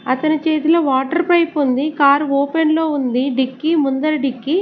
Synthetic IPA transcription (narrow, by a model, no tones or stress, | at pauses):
ɐt̪ɐnit͡ʃe̞ːt̪ilɐʋaːʈɐɾpɾɐjpund̪ikaːɾoːpenlo̞ːund̪iɖikːimund̪ɐɾɐɖikːi